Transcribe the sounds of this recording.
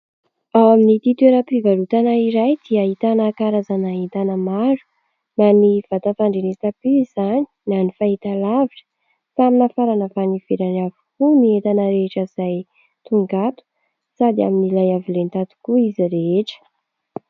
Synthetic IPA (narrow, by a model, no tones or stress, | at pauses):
awminit̪it̪uweɾəpivalut̪anaiɾajd̪̥iəit̪anakaɾazanaint̪anəmaɾu̥ | naniv̥at̪at̪aɳɖ͡ʐenet̪apiiz̥ani̥nanifait̪alaviʈ͡ʂə̥ | saminafaɾanəvaniv̥eɾanavukuniet̪anəɾeʈ͡ʂəiz̥aj | t̪uŋɡat̪u̥ | sad̪ia̰minilajavilent̪at̪u̥kuiziɾeeʈ͡ʂə̥